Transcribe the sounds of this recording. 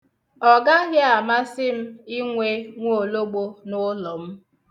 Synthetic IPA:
ɔ˨ɡa˦ɣa˦a˨ma˦sɪ˦m̩˦i˦ŋʷe˦ŋʷ˦o˨lo˦ɡ͡bo˦nʊ˦lɔ˨m̩˦

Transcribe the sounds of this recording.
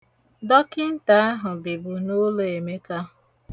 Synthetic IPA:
dɔ˦kɪ˦n̩˦ta˦a˦ɦʊ˨bi˨bu˨no˦lo˦e˨me˦ka˦˨

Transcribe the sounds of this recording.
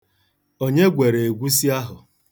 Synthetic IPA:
o˦ɲe˦ɡʷe˨ɾe˨e˨ɡʷu˦s̬i˦a˦ɦʊ˨

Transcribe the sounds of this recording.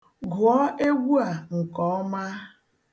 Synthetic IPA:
ɡʊ˨ɔ˦ʔe˦ɡʷu˦a˨ŋ̩˨kɔ˨˦ma˦

